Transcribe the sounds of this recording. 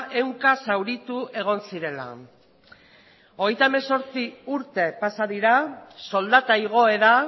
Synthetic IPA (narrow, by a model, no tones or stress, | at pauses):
ʔe̞wŋkasawɾit̪uʔe̞ɣ̞o̞nsiɾe̞la̰ | o̞ɣejt̪aemeso̞ɾt͡siuɾt̪e̞pasaðiɾaso̞ld̪at̪aiɣ̞o̞e̞ða